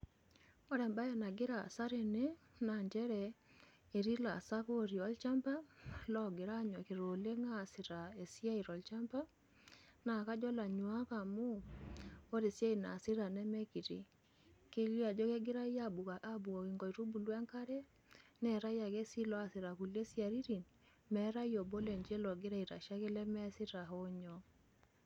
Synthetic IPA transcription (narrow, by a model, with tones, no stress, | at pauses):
o˦ɾɛ˨mba˦jɛ˨na˨ɡe˦ɾa̰˨sa˦ɾe˨ne˦ | na˨ɲd͡ʒɛ˦ɾɛ | e˨ɾi˦la̰˨sa˦ko˦ɾi˨ɔ˦lt͡ʃa˦mpa˦lɔ˦ɡe˨ɾa˦ɲɔ˨ke˨ɾo˨le˦ŋa˦˨si˨ɾa˨e˨sja˦i˨ɾɔ˨lt͡ʃa˦mpa˦ | na˨ka˦d͡ʒɔ˦la˨ɲwa˦ka˨mo˦ | o˦ɾe˨sa˦i˨na̰˨sɪ˦ɾa˨nɛ˦mɛ˦ki˨tḭ˨ | ke˦li˦a˨d͡ʒɔ˦ke˦ɡɪ˦ɾa˦i˦a˦bu˨ka˨ʔa˦bu˨ɔ˨kɪ˨ŋɡɔ˨i˨ɾu˦bu˨lwa˦ŋka˦ɾe˦ | nɛ˦˨ɾa˦ja˨ke˦si˦lɔ˦a˨sɪ˨ɾa˨ku˨le˦sja˨ɾi˦ɾi˨n | mɛ˦ɾa˦jo˨bo˦le˨ɲd͡ʒe˦lɔ˨ɡɪ˦ɾa˦i˨ɾa̰˨ʃa˦kɛ˦lɛ˦mɛ˦sɪ˦ɾa˨ɦo˦ɲɔ˨˦